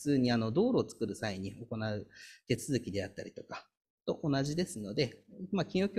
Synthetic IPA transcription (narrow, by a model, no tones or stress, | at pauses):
t͡sɨːɲ̟iano̞d̪o̞ːɾo̞ːt͡sɨ̥kɯ̟ɾɯ̟saiɲ̟io̞ko̞naɯ̟t̪e̞t͡sɨzɨkʲid̪e̞at̪ːaɾʲit̪o̞kḁ | t̪o̞ʔonaʑid̪e̞sɨno̞d̪e̞makʲĩɰ̃jo̞kʲ